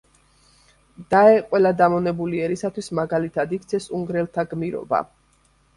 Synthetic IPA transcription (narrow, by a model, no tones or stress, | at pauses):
d̪̥aɛqʼwɛlad̪amɔnɛbuliɛɾisat̪ʰwismaɡalit̪ʰad̪ikt̪sʰɛsuŋɡɾɛlˠt̪ʰaɡmiɾɔ̰ba̰